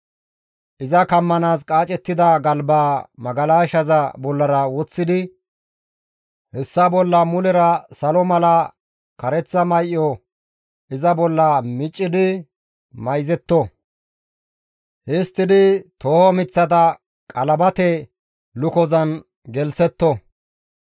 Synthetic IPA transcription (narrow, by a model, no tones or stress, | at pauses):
ʔɪzɐkɐmːɐnaːskʼaːt͡ʃʼɛt̪ːɪd̪ɐɡɐlbaːmɐɡɐlaːʃɐzɐbɔlːɐɾɐwɔt͡sːɪd̪ɪ | hɛsːɐbɔlːɐmʊlɛɾɐsɐlɔmɐlɐ | kɐɾɛt͡sːɐmɐjʔːɔ | ʔɪzɐbɔlːɐmɪt͡ʃʼːɪd̪ɪ | mɐjzɛt̪ːɔ | hɪst̪ːɪd̪ɪt̪oːhɔmɪt͡sːɐt̪̬ɐ | kʼɐlɐbɐt̪ɛ | lʊkɔzɐn | ɡɛlsɛt̪ːɔ